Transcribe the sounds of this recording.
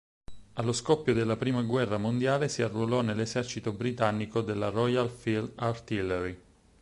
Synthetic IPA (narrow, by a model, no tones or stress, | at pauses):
alːoskɔpːjod̪elːapɾiːmaɡwɛrːamond̪jaːlesiarːuolɔnelːesɛrt͡ʃit̪obɾit̪anːikod̪elːaɾɔjalfilart̪ilɛɾi